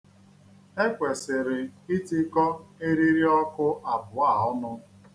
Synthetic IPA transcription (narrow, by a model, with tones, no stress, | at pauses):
e˦kʷe˨sɪ˨ɾɪ˨i˦ti˦kɔ˦e˦ɾi˦ɾi˦ɔ˦kʊ˦ʔa˨bʊ˨a˦˨ɔ˦nʊ˦